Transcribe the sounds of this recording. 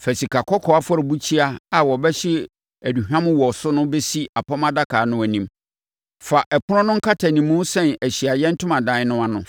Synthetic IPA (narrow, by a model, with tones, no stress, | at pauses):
fæ˨si˨kʰa˨kʰɔ˦kʰɔ˨a˦fɔ˦ɾɪ˨bu˦t͡ɕʰi˦a˦a˨wɔ˨bɛ˦ɕɪ˦ | æ˨du˨hᶣã˦mʊ̃˦wɔ˨sʊ˦nʊ̃˦be˦si˦a˨pʰɔ˦mã˦da˦kʰaː˨˦nʊ̃˦æ˨nĩ˨˦m | fa˨ʔɛ˨pʰʊ˦ɾɔ̃˦nʊ̃˦ŋ̩˦kʰa˦tʰa˨nĩ˨mːʊ̃˦sɛ̃˦næ˨ɕi˨a˨jɛ̃˦n̩˦tʰʊ̃˦mã˨dã˨˦ɪ˦nʊ̃˦a˨nʊ̃˨